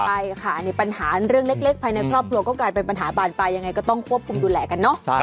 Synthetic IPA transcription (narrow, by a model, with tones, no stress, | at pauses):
a˧jkʰa˥˩ni˦˩pa˧nhaː˩˦ɾɯ˥˩əŋle˦˥k̚le˦˥k̚pʰaː˧jna˧jkʰɾɔː˥˩p̚kʰɾu˧ɐkɔː˥˩klaː˧jpe˧npa˧nɦaː˩˦baː˧npa˧jːa˧ŋa˧jkɔː˥˩t̪ɔ˥˩ŋkʰu˥˩əp̚kʰu˧mduː˧lɛː˧˩ka˧nːɔ˦˥˩